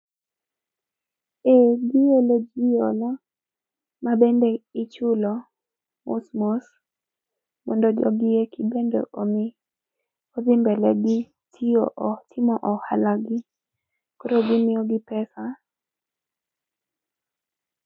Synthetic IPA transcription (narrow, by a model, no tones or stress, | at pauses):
eɡɪolod͡ʒijɔlɔ | mabendeɪt͡ʃʊlɔ | mṵsmos | mɔndod͡ʒɔ̰ɡɪjekʰibendo̰ʔomɪ | ɔd̪ɪmbɛlɛɡɪ | tʰioʔtʰɪmɔʔɔha̰laɡɪ | koɾoɡɪmɪɔɡɪpɛsa